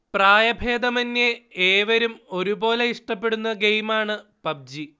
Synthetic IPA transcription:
praːjɐbʱe̞ːd̪ɐmɐnːeeːʋɐɾumo̞ɾubo̞ːleiʂʈɐpːe̞ɽunːɐɡejumaːɳɨpɐb̚d͡ʑi

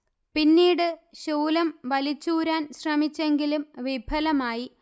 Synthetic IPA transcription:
pinːiːɽɨɕuːlɐmʋɐlit͡ɕːuːɾaːnɕrɐmit͡ɕːe̞ŋɡilumʋibʱɐlɐmaːji

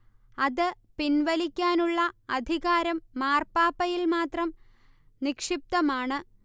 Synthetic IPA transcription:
ɐðɨ | pinʋɐlikʲːaːnuɭːɐɐd̪ʱiɣaːɾɐmːaːrpaːpːɐjilmaːt̪rɐm | nikʂip̚t̪ɐmaːɳɨ

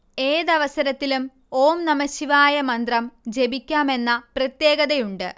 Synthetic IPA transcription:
eːðɐʋɐsɐɾɐt̪ːilum | o̞ːmnɐmɐɕiʋaːjɐmɐnd̪rɐmd͡ʑe̞bikʲːaːme̞nːɐprɐt̪je̞ːɡɐðɐjuɳɖɨ

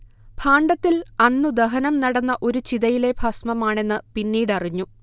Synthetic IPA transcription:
bʱaːɳɖɐt̪ːilɐnːud̪ɐɦɐnɐmnɐɽɐnːɐʔo̞ɾut͡ɕiðɐjile̞bʱɐsmɐmaːɳe̞nːɨpinːiːɽɐriɲːu

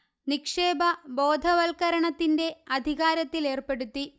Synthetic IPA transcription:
nikʂe̞ːbɐbo̞ːd̪ʱɐʋɐlkɐɾɐɳɐt̪ːinde̞ɐd̪ʱiɣaːɾɐt̪ːile̞ːrpeɽut̪ːi

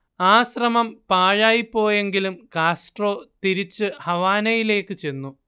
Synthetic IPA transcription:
aːɕrɐmɐmpaːɻaːjipːo̞ːje̞ŋɡilumkaːsʈro̞ːt̪iɾit͡ɕːɨhɐʋaːnɐjile̞ːkːɨt͡ɕe̞nːu

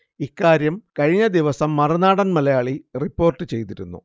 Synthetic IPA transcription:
ikːaːɾjɐmkɐɻiɲːɐd̪iʋɐsɐmːɐrinaːɽɐnmɐlɐjaːɭiripːo̞ːrʈːɨt͡ɕe̞jt̪iɾunːṵ

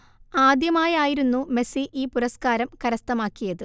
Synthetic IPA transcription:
aːd̪jɐmaːjaːjiɾunːume̞siʔiːpuɾɐskaːɾɐmkɐɾɐst̪ɐmaːkːijɐðɨ

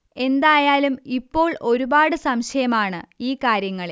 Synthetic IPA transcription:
e̞nd̪aːjaːlumipːo̞ːɭʔo̞ɾubaːɽɨsɐmɕɐjɐmaːɳɨiːkaːɾjɐŋːɐɭ

